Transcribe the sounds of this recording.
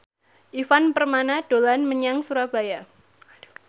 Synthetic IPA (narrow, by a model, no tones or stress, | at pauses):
ʔifanpərmanaɖ̥olanməɲaŋsuɾab̥a̤ja